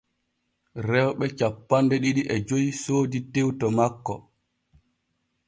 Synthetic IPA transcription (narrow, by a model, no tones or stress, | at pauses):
ɾɛwɓɛt͡ʃapːandɛɗiɗiʔɛd͡ʒojsoːditewtɔmakːɔ